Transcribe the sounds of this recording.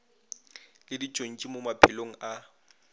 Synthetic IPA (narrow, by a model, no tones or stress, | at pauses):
lɪdit͡ʃʼon̩t͡ʃʼimʊmapʰɪloŋ̩a